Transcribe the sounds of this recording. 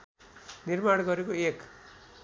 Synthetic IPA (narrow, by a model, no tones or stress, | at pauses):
nirmaɽɡʌɾekoek